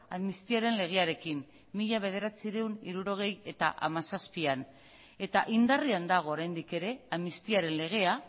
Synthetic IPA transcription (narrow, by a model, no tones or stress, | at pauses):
aðmist̪iaɾe̞nle̞ɣ̞e̞aɾe̞kimː | iʎaβ̞e̞ð̞e̞ɾat͡siɾeuniɾuɾo̞ɣ̞e̞je̞t̪a̰ʔa̰masaspian | e̞t̪aʔind̪ariand̪aɣ̞o̞ːɾajnd̪ike̞ɾe̞aðmist̪iaɾe̞nle̞ɣ̞e̞a